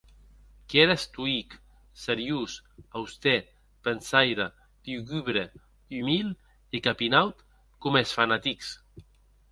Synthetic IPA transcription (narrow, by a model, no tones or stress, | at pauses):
keɾest̪uik | seɾjusawst̪ɛ | pensajɾa | d̪̥juɣyβɾe | ymilˠ | ikapinawt̪ | komesfanat̪iks